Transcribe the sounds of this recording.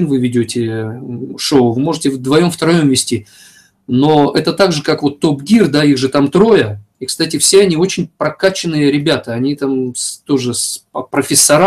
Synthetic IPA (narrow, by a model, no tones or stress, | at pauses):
nvɨvʲɪdʲotʲɪ | ʂoʊvɨmo̞ʐɨtʲɪvd̪vɐjo̞mft̪ɐɾɐjo̞mvʲɪsʲtʲi | no̞ɛt̪ət̪aɡʐɨkakvo̞t̪ːo̞pɡʲird̪aiɣʐɨt̪amt̪ɾo̞jə | ikst̪atʲɪfsʲeɐnʲio̞t͡ɕɪnʲpɾɐkat͡ɕɪnːɨjəɾʲɪbʲat̪əɐnʲit̪amst̪o̞ʐɨspəpɾəfʲɪsːɐɾa